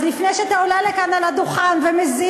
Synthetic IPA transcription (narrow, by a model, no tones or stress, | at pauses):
zlifnejʃeat̪aolalekanalad̪uχanvemezi